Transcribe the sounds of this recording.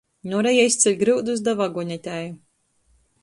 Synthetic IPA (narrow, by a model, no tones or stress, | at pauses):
nuɾɛjaist̪sʲɛlʲɡɾɨwd̪uzd̪avaɡɔɲʲɛt̪ʲæju